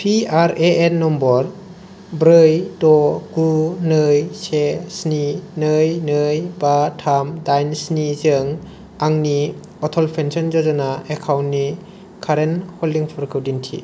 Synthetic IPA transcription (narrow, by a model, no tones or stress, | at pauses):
pʰiaɾeenːɔmbɔɾ | bɾɯjdɔɡunɯjsesninɯjnɯjbatʰamdajnsnizɯŋ | aŋni | ɔtʰɔlpʰensɔnd͡ʒɔzɔnaekʰawnnːi | kʰaɾenhɔldiŋpʰɯɾkʰɯwdintʰḭ